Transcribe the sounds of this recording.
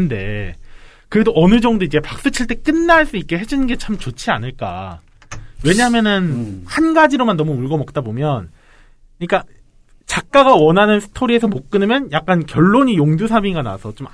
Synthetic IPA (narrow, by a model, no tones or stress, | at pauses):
nde̞̰ | kɯɾe̞doʔʌnɯd͡ʑʌŋdoid͡ʑe̞pak̚s͈ɯt͡ɕʰiɭt͈e̞k͈ɯnːaɭs͈uik͈̚e̞ɦe̞d͡ʑunɯnɡe̞t͡ɕʰamt͡ɕot͡ɕʰia̰nɯɭk͈a̰ | we̞ɲaɦamjʌnɯnhanɡad͡ʑiɾomanːʌmuuɭɡʌmʌk̚t͈abomjʌn | ɯɲik͈a | t͡ɕak̚k͈aɡawʌnɦanɯnsʰɯ̥tʰoɾie̞sʰʌmok̚k͈ɯnɯmjʌnjak̚k͈ankjʌɭːoɲijoŋdusʰabiɡana̰sʰʌt͡ɕom